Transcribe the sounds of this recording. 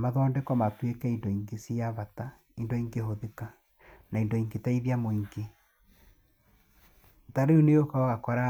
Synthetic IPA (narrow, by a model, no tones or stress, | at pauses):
maðɔːndɛkɔmatwekɛindoiŋɡesiaβata | indoiŋɡeɦoðeka | naindoiŋɡetaiðjamoiŋɡe | taɾeuneokaɔɣakɔɾa